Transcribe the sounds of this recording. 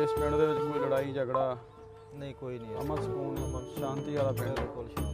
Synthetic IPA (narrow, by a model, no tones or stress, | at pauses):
ɪsmɪ̃ɳd̪eːʋɪt͡ʃkoːiləɽaːiːd͡ʒəɡɽaː | nəĩːkoːiːnĩːəməlsəkuːnməlʃãːnt̪iːaːlaːpɪɽd̪eːkol